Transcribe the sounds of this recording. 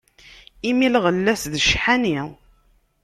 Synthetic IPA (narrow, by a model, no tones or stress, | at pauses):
imilʁəlːæsðʃħani